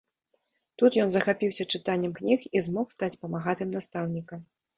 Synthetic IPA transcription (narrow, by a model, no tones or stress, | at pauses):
t̪ut̪jɔnzɐxapʲiwsʲɐt͡ʂɨt̪anʲːɛmknʲixizmɔxst̪at͡sʲpɐmaɣat̪ɨmnast̪awnʲikɐ